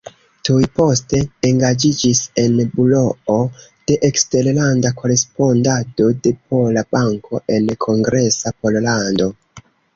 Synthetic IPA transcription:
tujpo̞ste̞ːŋɡad͡ʒid͡ʒise̞nbulo̞o | d̥e̞ʔekste̞ɾlandako̞ɾe̞spo̞ndado̞de̞po̞lab̥aŋkʰo̞ʔe̞nkʰo̞ŋɡɾe̞sapo̞llando̞

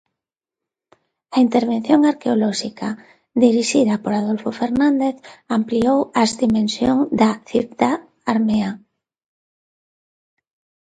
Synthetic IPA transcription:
aint̪eɾβ̞en̟θjoŋaɾkeolɔʃika | d̪iɾiʃið̞apoɾaðolfofeɾnãnd̪eθampliowazd̪imẽnsjo̰ŋd̪aθipt̪a | aɾmea

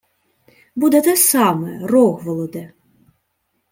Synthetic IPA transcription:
bud̪ɛd̪ɛsamɛrɔɣvɔlˠɔd̪ɛ

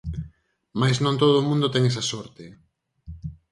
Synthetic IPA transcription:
majznõnt̪oðoːmũnd̪ot̪ɛŋɛsɐsɔɾt̪e

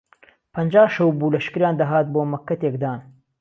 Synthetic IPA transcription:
pʰɐnd͡ʒaːʃɐwbuːlɐʃkɨɾjaːnd̪aɦaːt̪̚boːmɐkːɐt̪eːkd̪aːn

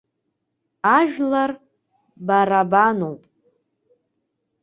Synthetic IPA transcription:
aʒᶣlar | baɾabanowpʼ

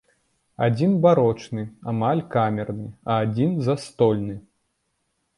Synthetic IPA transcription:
ad͡zʲinbaɾɔt͡ʂnɨamalʲkamʲɛrnɨɐːd͡zʲinzast̪ɔlʲnɨ

